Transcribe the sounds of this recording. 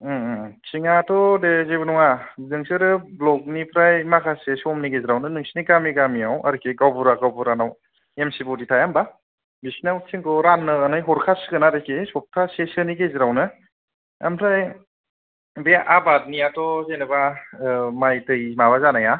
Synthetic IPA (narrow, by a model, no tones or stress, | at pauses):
t͡ʃiŋatʰɔdezebɯnɔŋanɯŋsɯɾɯblɔk̚nipʰɾajmakʰasesɔmniɡeziɾawnɯnɯŋsiniɡamiɡamiawaɾɯkʰeɡawbuɾaɡawbuɾanaw | emsibɔditʰajamba | bisinawtʰiŋkʰɔɾanːɯːnɯjɦɔɾkʰasɯɡɯnadekʰesɔp̚tʰasesɯniɡeziɾawnɯ | a̰mpʰɾaj | beʔabat̚niatʰɔzenɯba | majtɯjmaβazanaja